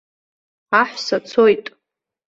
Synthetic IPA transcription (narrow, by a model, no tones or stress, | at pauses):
aħʷsat͡sʰojtʼ